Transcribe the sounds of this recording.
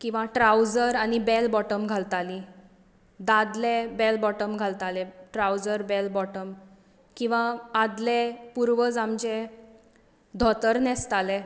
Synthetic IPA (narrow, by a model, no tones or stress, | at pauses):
kĩw̃ʋãʈɾaud͡zəɾañibɛlbɔʈəmɡʱalt̪ali | d̪ad̪lebɛlbɔʈəmɡʱalt̪alɛʈɾaud͡zəɾbɛlbɔʈəm | kĩw̃ʋãːd̪lɛpuɾʋəd͡zamd͡ʑe | d̪ʱɔt̪əɾnɛst̪alɛ